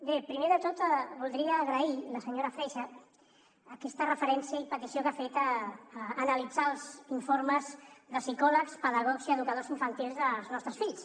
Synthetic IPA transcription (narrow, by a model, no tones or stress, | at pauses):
bepɾimeðət̪ot̪βulˠd̪ɾiəːɣɾəiləsəɲoɾəfɾɛʃəː | kɛst̪ərəfəɾɛnsiəipət̪isiokafet̪ː | nəlid͡zalˠziɱfoɾməzðəsikɔləkspəðəɣ̞ɔkziəðukəð̞oziɱfənt̪ilˠzðəlˠznɔst̪ɾəsfiʎs